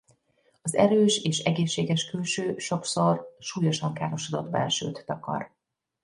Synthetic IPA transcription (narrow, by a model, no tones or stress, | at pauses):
ɒzɛ̰ɾøːʃeːʃɛɡeːʃːeːɡɛʃkylʃøːʃo̞ksorʃuːjo̞ʃɒŋkaːɾo̞ʃod̪o̰d̪bɛ̰lʃø̰ːt̪ːɒkɒ̰r